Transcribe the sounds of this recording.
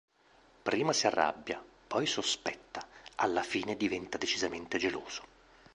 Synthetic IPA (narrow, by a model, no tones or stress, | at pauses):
pɾiːmasiarːa̰bːjapɔjsospɛt̪ːaalːafiːned̪ivɛnt̪ad̪et͡ʃizament̪ed͡ʒelo̰ːz̥o̥